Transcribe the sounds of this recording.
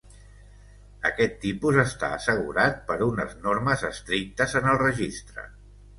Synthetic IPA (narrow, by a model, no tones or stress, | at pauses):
ə̰kɛt̪ːipuzəst̪a̰əsəɣ̞ṵɾat̪̚pəɾunə̰znorməzəst̪ɾik̚t̪əzənəlˠrəʒist̪ɾə̰